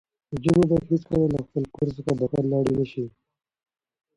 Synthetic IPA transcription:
əd͡ʒumebaɦiskalalaxpəlkoɾs̬əxad̪akalːaːɽinəʃi

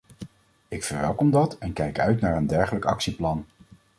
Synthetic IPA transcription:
ɪkfəɹʋɛlˠkɔmdɑtɛnkɛjkœɥtnaːɹəndɛɹχələkɑ̰ksiplɑn

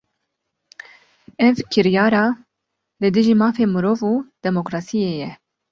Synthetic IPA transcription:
ʔɛvkʰɨɾjɑːɾɑː | lɨd̪ɨʒiːmɑːfeːmɨɾoːvuːd̪̥ɛmokɾɑːsijeːjɛ

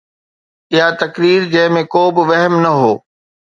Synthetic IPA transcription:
ɪɦat̪ɐkɾiːɾd͡ʑɐ̃ɦɪ̃mẽkoːbɪʋɐɦmnɐɦoː

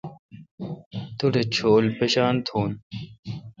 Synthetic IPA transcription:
t̪uɖet͡ɕʰoːlpeɕaːnt̪ʰoːn

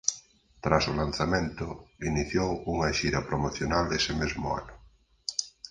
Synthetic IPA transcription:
t̪ɾasolan̟θamẽnt̪ʊiniθjowuŋɐʃiɾɐpɾomoθjonald̪esɪmezmʊa̰nʊ

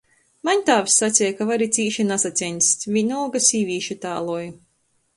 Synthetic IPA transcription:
maɲt̪aːvsːat̪sʲɛjkavaɾit̪sʲiːʃinasat̪sʲɛnʲsʲt̪ʲvʲiɲulɡasʲiːvʲiːʃit̪a̰ːlˠuɔj

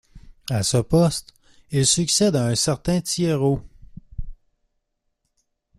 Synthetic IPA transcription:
asəpɔst̪ | ilsyksɛd̪aɛ̃sɛʁt̪ɛ̃t̪jeʁo

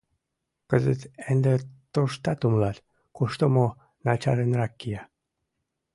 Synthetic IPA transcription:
kəzət̪end̪et̪oʃt̪ɑt̪umlɑlʲ | kuʃt̪omo | nɑt͡ɕɑɾənrɑkːija

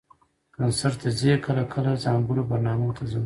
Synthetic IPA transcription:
kansaɾt̪əzekʰəlakʰəlazɑmbuɾobaɾnɑmot̪ʰazəm

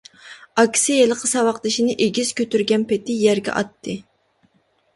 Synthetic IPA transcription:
ɑkʲsijelˠəqʰəsɑwɑqd̪ɨʃinɪʔeɡʲiz̥kʲʰøt̪yɾɡʲɛnpet̪ɪjɛɾɡʲɛ̰ʔɑ̰t̪ʰːɨ

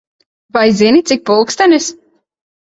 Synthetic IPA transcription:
vajzinʲit̪sik̚pulˠkst̪anis

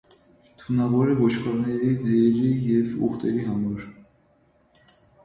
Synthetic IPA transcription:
t̪ʰunɑvɔɾivɔt͡ʃkʰɑɾnɛɾid͡zɛɾijɛvṵχt̪ɛɾiɦamɔɾ

